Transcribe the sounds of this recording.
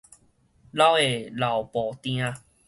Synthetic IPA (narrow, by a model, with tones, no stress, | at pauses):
la˦we˨la˨˩wpɔ˨˩t̪j̃ã˧